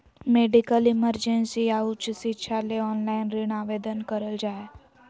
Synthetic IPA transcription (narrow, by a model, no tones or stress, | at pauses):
meːɖikəlɪməɾd͡ʒẽnsiaːut͡ʃsɪtːʃʰaleɔːnlaːɪnɾɪɳ̃aːʋeːd̪ənkəɾəld͡ʒaːe